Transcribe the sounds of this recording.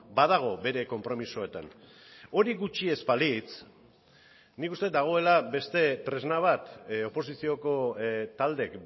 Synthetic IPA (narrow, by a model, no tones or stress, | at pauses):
bað̞aɣ̞o̞be̞ɾe̞ko̞mpɾo̞miso̞e̞t̪a̰n | o̞ɾiɣut͡ʃie̞spalit͡s | nikust̪e̞t̪d̪aɣ̞o̞e̞labe̞st̪e̞t̪ɾe̞znaβ̞at̪o̞po̞sisio̞ko̞t̪ald̪e̞k